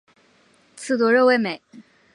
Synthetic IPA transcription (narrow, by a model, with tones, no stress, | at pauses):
t͡sʰɹ̩˥˩t̪wɔ˧˥ɻɤ˥˧we˥˩ɪme˨˩˦ɪ